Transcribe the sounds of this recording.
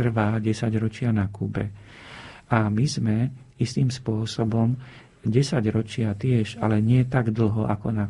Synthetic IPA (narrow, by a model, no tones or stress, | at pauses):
r̩ʋaːɟɛsaɟɾɔt͡ʃɪanakuːbɛ̰ | amizmɛ | ist̪iːmspʊɔsɔbɔm | ɟɛsaɟɾɔt͡ʃɪat̪ɪɛʃalɛɲɪɛt̪aɡd̪l̩ɦɔʔa̰kɔna